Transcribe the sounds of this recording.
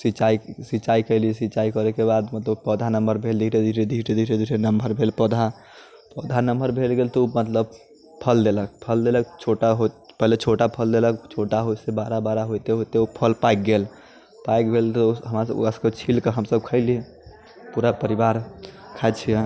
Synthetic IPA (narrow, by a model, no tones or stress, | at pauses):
sit͡ʃaisit͡ʃaikəɪlisit͡ʃaikəɾekebad̪mət̪ləbpəd̪ʱanəmbəɾbʱeld̪iɦɾed̪ʱiɦɾed̪ʱiɾed̪iɦɾed̪iɾenəmbəɾbʱelpəd̪ʱa | pəd̪ʱanəmbəɾbʱelɡelt̪ɔumət̪ləb | pʰəld̪elək̚pʰəld̪elək̚t͡ʃʰoʈaɦopəɦlet͡ʃʰoʈapʰəld̪eləkt͡ʃʰoʈaɦosebaɾabaɾaɦojt̪eɦot̪eupʰəlpajk̚ɡel | pajk̚bʱelt̪ɔɦəmɾasə̰b̰əsket͡ʃʰilkeɦəmsəb̚kʰəɪli | puɾapəɾibaɾkʰat͡ʃʰijɛ